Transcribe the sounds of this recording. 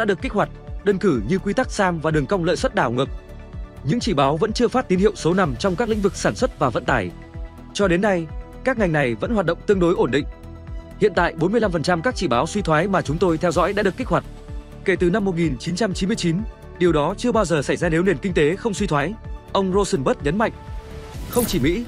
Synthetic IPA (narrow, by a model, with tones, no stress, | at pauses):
ɗa̰ː˧˥ɗɨ˨˩əkːi˦˥k̚hwa˨˩jt̚ɗə˧nkɨ˧˩ɲɨ˧kwi˧t̪a˦˥k̚saː˧mvaː˨˩ɗɨ˨˩əŋkə˧wŋ͡mlə̰ː˧˨jswə˦˥t̚ɗaː˧˩wŋɨ˨˩k̚ | ɲɨ̰˧˥ŋt͡ɕi˧˩ɓaː˨˦wvə̰˧˥nt͡ɕɨ˧əfaː˦˥t̚t̪i˨˦nhi˧əwso˨˦na˧mt͡ɕɔ˧wŋ͡mkaː˦˥klḭ̈˧˥ŋ̟vɨ˨˩k̚saː˧˩nswə˦˥t̚vaː˨˩və̰˧˨nt̪aː˧˩j | t͡ɕɔ˧ɗe˨˦nːa˧j | kaː˦˥k̚ŋa˨˩jŋ̟na˨˩jvə̰˧˥nhwaː˨˩t̚ɗə̰˧˨wŋ͡mt̪ɨ˧əŋɗo˨˦jʔo˧˩nɗḭ˧˨ŋ̟ | hḭ˧˨ənt̪a̰ː˧˨jɓo˨˦nmɨ˧əjla˧mfə˨˩nt͡ɕa˧mkaː˦˥k̚t͡ɕi˧˩ɓaː˨˦wswi˧t̪ʰwaː˨˦jmaː˨˩t͡ɕʊ˨˦ŋ͡mt̪o˧jt̪ʰɛ˧wzɔ̰˧˥jɗa̰ː˧˥ɗəki˦˥k̚hwa˨˩k̟̚ | ke˧˩t̪ɨ˨˩na˧mːo˨˩t̚ŋi˨˩nt͡ɕi˨˦nt͡ɕa˧mt͡ɕi˨˦nmɨ˧ət͡ɕi˨˦n | ɗi˨˩əwɗɔ˨˦t͡ɕɨ˧əɓaː˧wzəː˨˩sa˧˩jzaː˧ne˨˦wne˨˩nkï˧ŋ̟t̪e˨˦xə˧wŋ͡mswi˧t̪ʰwaː˨˦jʔə˧wŋ͡mzo˧sə˧nɓəː˦˥t̚ɲə˨˦nma̰˧˨ŋ̟xə˧wŋ͡mt͡ɕi˧˩mḭ˧˥